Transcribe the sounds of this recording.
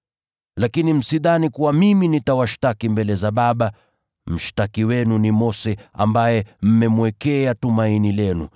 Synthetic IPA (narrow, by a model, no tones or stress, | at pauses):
lakinim̩siðanikuwamiminitawaʃtakimbɛlɛzaɓaɓa | m̩ʃtakiwɛnunimɔsɛa̰mbajɛm̩mɛmwɛkɛatumainilɛnṵ